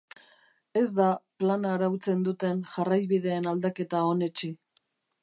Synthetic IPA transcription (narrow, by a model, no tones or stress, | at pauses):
e̞zd̪aplanaɾawt͡se̞nd̪ut̪e̞nʝarajβið̞e̞ːnald̪ake̞t̪ao̞ne̞t͡ʃi